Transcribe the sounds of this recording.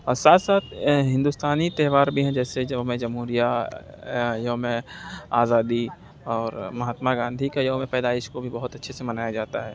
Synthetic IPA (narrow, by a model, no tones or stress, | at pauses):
ɔːɾsaːt̪ʰsaːt̪̚ʰɦɪ̃nd̪ust̪aːnit̪ɛːɦʋaːɾbʱiɦɛ̃d͡ʒɛːsed͡ʒɐmẽd͡ʒɐmɦuːɾija | jɐɦmẽaːzaːd̪i | ɔːɾmɐɦaːt̪maɡãːnd̪ʱikajɐɦmẽpɛːd̪aːɪʃkobʱibɐɦʊt̪ɐtːʃʰesemɐnaːjad͡ʒaːt̪aɦɛː